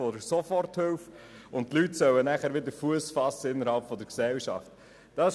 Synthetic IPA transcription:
ɔdəɾsɔfɔrthʏlf | ʊntlytsœwənæχəɾʋɪd̪əɾfuəsfɑsəɪnːəɾhɑlpfɔd̪əɾksɛlʃɑ̰ft | d̥ɑ

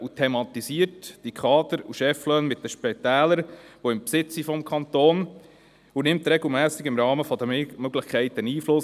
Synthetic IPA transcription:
utʰɛmɑt̪isiətd̥ikʰɑːd̪əɾuʃɛflœːnmɪt̚dəʃpɛt̪æːləɾʋoɪmpsɪt͡sifɔmkʰɑnt̪oːn | unɪmt̪ɾɛɡl̩ˠmæːsɪɡɪmɾɑːməfɔd̪əmøɡlɪχkʰɛɪt̪ːəniːflʊs

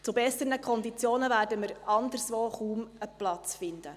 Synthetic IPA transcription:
t͡subɛsənəkʰɔnd̪it͡sjoːnəvæːrdəməɾɑnd̪əɾsʋoːχuːməplɑt͡sfɪnd̪ə

